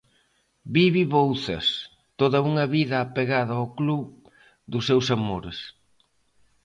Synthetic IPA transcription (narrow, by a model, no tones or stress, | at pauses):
biβiβowθɐ̰s | t̪oðɐuŋɐβiðɐːpeɣaðɐokluβ | d̪ʊsːewsamoɾes